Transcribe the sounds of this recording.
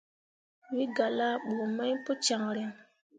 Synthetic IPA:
wi˦ɡa˨la˦ɓo˨ma˦jpo˦t͡ʃa˨ŋɾe˨

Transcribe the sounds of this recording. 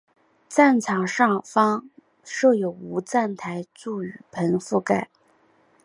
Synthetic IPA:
t͡sa˥˩nt͡sʰɑ˨˩ŋʂɑ˥˩ŋfɑ˥ŋ | ʂɤ˥˩jo˨˩ʊu˧˥t͡sa˥˩nt̪ʰa˧˥ɪt͡su˥˩y˨˩pʰə˧˥nfu˥˩ka˥˨˩ɪ

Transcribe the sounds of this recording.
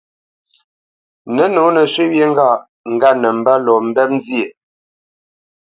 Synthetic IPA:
nə˨˦no˨˦nə˨ʃɥe˦wje˦ŋ̩˦ɡa˦˨ | ŋ̩˨ɡa˦nə˨m̩˨ba˦lɔ˨m̩˨bɛ˦p̚n˦zje˨

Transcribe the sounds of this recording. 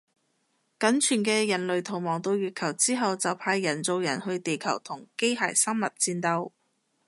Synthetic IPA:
kɐ˨˥nt͡ʃʰyː˨˩nkɛː˧jɐ˨˩nlɵ˨ɥt̪ʰʊ˨˩wmɔː˨˩ŋt̪o˧wjyː˨˧t̚kʰɐ˨˩wt͡siː˥ɦɐ˨wt͡sɐ˨wpʰaː˧jːɐ˨˩nt͡so˧wjɐ˨˩nhɵ˧ɥt̪e˨jkʰɐ˨˩wt̪ʰʊ˨˩ŋke˥jɦa̰ː˨˩jsɐ˥mmɐ˨t̚t͡siː˧nt̪ɐ˧w

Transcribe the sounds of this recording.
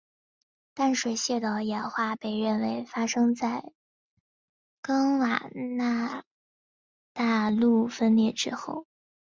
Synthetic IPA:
t̪a˥˩nʂwe˧˥ɪɕjɛ˥˧t̪ɑ˨˩ʊjɛ˨˩nxwa˥˩pe˥˧ɪɻə˥˩nwe˧˥ɪfa˥ʂɤ˥ŋt͡sa˥˩ɪ | kɑ˥ŋwa˨˩na˥˩ | t̪a˥˧lu˥˩fə˥nljɛ˥˩ʈ͡ʂɻ̩˥xo˥˩ʊ

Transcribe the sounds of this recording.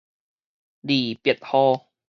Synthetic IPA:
diː˨˩pi˨˩ət̪̚hɔː˧

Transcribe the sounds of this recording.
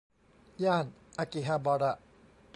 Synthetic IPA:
ja˥˧˩nʔa˧˨ki˨ɦa˧bɔ˧ɾa˧˨

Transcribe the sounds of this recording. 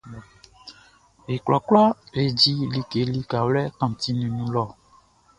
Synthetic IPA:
e˨klɔ˨klɔ˦le˨d͡ʒi˦li˦ke˨˦li˦ka˨wlɛ˦kã˨t̪i˦nĩ˨nũ˦lɔ˦˨

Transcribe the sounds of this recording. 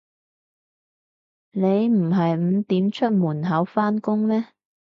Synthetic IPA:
ne˨˧jm̩˨˩ɦɐ˨jm̩˨˧t̪iː˨˥mt͡ʃʰɵ˥t̚muː˨˩nɦɐ˨˥wfaː˥nkʊ˥ŋmɛː˥

